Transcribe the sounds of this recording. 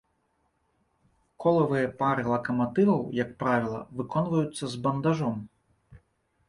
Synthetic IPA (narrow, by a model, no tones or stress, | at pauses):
kʰɔlˠɐvɨjɛpaɾɨlˠɐkɐmat̪ɨvɐwjɐkpɾavʲilˠɐ̰vɨkɔnvɐjut̪sːɐzbɐnd̪aʐɔm